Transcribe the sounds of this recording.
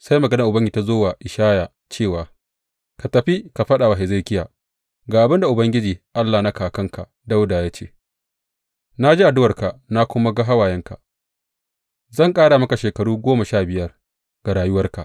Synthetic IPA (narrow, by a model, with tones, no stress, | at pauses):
sa˦jmɐ˨ɡɐ˦na˨ʔʊ˨bɐ˦ŋɡta˦zoː˦waː˨ʔɪ˨ʃaː˦jaː˨ | t͡ʃeː˦˨waː˨ | ka˨tɐ˨ɸi˦ka˨ɸɐ˦ɗa˨wa˨ɦe˨za˦˨kʲɪ˦ja̰˨ | ɡaː˨ʔa˨bɪ˦nda˨ʔʊ˨bɐ˦ŋɡʲɪ˦d͡ʒiː˨ʔa˦lːa˨na˦kaː˨kɐ˦ŋka˨ | da˦wda˨jaː˦t͡ʃḛː˦˨ | na˦d͡ʒi˦ʔa˨dʊ˦wɐ˨rka˨ʔna˦kʷʊ˦ma˦ɡa˦ɦa˦waː˨jɛ˦ŋka̰˨ | zɐ˦˨ŋkʼaː˦ɽa˨mɐ˦ka˨ʃeː˨kɐ˨ɽuː˦ɡʷoː˦mɐ˨ʃaː˦˨bɪ˨jɐ˦r | ɡ̥a˨ɽaː˨jʊ˦wɐ˦rka˨ʔ